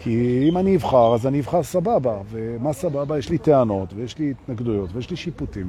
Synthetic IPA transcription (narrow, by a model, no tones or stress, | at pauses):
kiimaniivχaʁazaniivχaʁsababavemasababajeʃliteano̞t̪vejeʃlit̪naɡd̪ujo̞tvejeʃliʃiputim